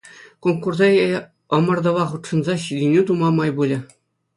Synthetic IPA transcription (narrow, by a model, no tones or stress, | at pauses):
komkurzɑj | ɤ̆mɤ̆rd̪ɤ̆ʋɑχut̪ʂɤ̆nzɑɕidʲinʲit̪umɑmɑjbulʲɘ̆